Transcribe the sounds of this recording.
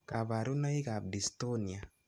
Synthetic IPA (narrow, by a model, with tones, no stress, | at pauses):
ka˨βa˨ɾu˦na˦i˦ka˨bbi˨sto˦ni˨a˨